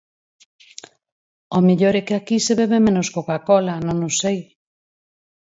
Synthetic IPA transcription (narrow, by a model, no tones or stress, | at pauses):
omiʎoɾɛkɪakiseβeβ̞emẽnoskokakɔlanõŋosej